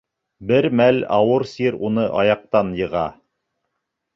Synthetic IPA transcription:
bɘɾmælɑ̰wɤɾsiɾunɤʔɑ̰jɑq̚t̪ɑnjɤ̆ʁɑ̰

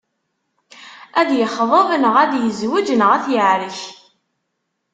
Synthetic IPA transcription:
æðjəχðˤəvənəʁæðjəzwid͡ʒənəʁæθjəʕɾəç

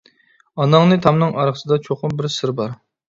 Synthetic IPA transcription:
ɑnɑŋnɨt̪ʰɑmnɨŋʔɑɾχəsɨd̪ɑt͡ʃʰoχʊmbɪɾsɪɾbɑɾ

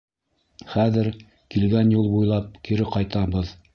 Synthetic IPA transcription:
χæðɘɾ | kilɡænjulˠbujlˠɑp̚kiɾɘqɑjt̪ɑbɤð

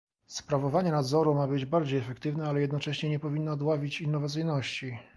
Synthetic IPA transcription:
spɾavɔvaɲɛnad̪zɔɾumabɘd͡ʑbaɾd͡ʑejɛfɛkt̪ɘvnɛalɛjɛd̪nɔt͡ʂɛɕɲɛɲɛpɔvʲinːɔːd̪wavʲit͡ɕinːɔvat̪sɘjnɔɕt͡ɕi

